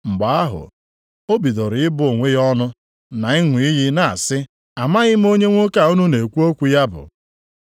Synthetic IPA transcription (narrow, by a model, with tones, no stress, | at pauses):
ŋ͡m̩˨ɡ͡ba˨a˦ɦʊ̰˨ | o˦bi˨do˨ɾɪ˨ɪ˦bʊ˦˨ŋʷe˦jɔ˦nʊ˦ | na˨ɪ˦ŋʷʊ˨i˦ɦɪ˦na˨a˨sɪ˦ | a˨ma˦ɣɪ˦m̩˦o˦ɲe˦ŋʷo˦ka˦˨u˦nu˦ne˨kʷu˦o˦kʷu˦ja˦bʊ̰˨